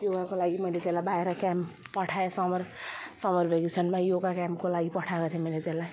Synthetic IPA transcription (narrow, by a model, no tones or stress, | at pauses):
joɡakolaɡimʌjlet̪elabaeɾʌkam | pʌʈʰaesʌmʌrsʌmʌrbʱeɡit͡sʰʌnmajoɡakamkolaɡipʌʈʰaɡʌt̪ʰemʌjlet̪elaj